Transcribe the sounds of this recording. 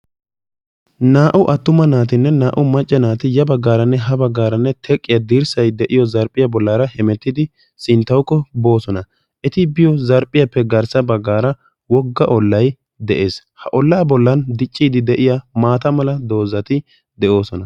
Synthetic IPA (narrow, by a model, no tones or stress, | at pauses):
naːʔʊʔɐt̪ːʊmɐnaːt̪ɪnːɛnaːʔʊmɐt͡ʃʼːɛnaːt̪ɪjɐbɐɡːaːɾɐnːɛɦɐbɐɡːaːɾɐnːɛt̪ʰɛkʼːɪjɐd̪iːɾsɐjd̪ɛʔɪjɔzɐɾpʼːɪjɐbɔlːaːɾɐhɛmɛt̪ːɪd̪ɪ | sɪnt̪ːɐwkːɔbo̞ːsɔnɐ | ʔɛt̪ɪbɪjɔzɐɾpʼːɪjɐpːɛɡɐɾsɐbɐɡːaːɾɐ | wɔɡːɐʔɔlːɐj | d̪ɛʔe̞̰ːs | hɐʔɔlːaːbɔlːɐnd̪ɪt͡ʃʼːiːd̪ɪd̪ɛʔɪjamaːt̪ɐmɐlɐd̪o̞ːzɐt̪ɪ | d̪ɛʔo̞ːsɔnɐ